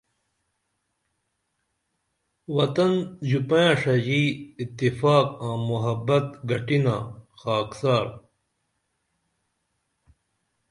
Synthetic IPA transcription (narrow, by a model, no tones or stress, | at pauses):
wɐt̪ɐnd͡ʑupãjãːʂɐd͡ʑiːt̪ːifaːk̚ãːmuɦɐbɐt̪ɡɐʈina̰ːxaːksaːɾ